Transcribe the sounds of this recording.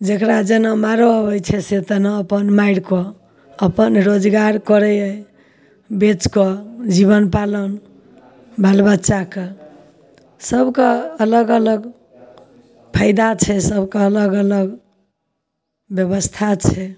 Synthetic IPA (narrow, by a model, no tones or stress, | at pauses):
d͡ʒekɾad͡ʒenəmaɾoəbəjt͡ʃʰɛset̪ənəəpənmaiɽko | əpənɾod͡ʒɡaɾkɔɾɛəj | bet͡ʃkɔd͡ʒiβənpalən | balbətːʃake | səbʱkeələɡələɡ | pʰaɪd̪at͡ʃʰɛsəbkeələɡələɡ | bjəbəst̪ʰat͡ʃʰɛ